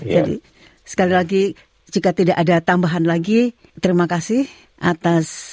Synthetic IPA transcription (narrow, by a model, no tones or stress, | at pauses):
d͡ʒadḭ | sə̥kalilaɡi | d͡ʒikat̪idaʔadat̪ambaɦanlaɡi | t̪əɾimakasɪh | ʔat̪as